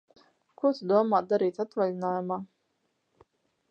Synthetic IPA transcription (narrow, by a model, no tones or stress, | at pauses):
kut̪d̪uɔmaːt̪̚d̪aɾiːt̪at̪valʲinaːjumaː